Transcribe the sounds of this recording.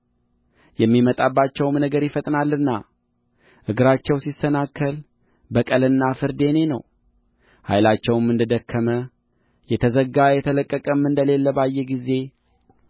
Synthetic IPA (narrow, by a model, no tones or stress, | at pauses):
jɛmːimət̪ʼabːat͡ʃːɛwmnəɡəɾjɪfət̪ʼnalːɨnːa | ʔɨɡɨɾat͡ʃːɛwsisənakʰːəl | bəkʼəlɨnːafɨɾd̪e̞ne̞nə̰w | ha̰jlat͡ʃːɛwɨmːɨnd̪əd̪əkʰːəmə | jɛt̪ʰəzəɡːajɛt̪ʰələkʼːəkʼəmːɨnd̪əle̞lːəbajːɛɡize̞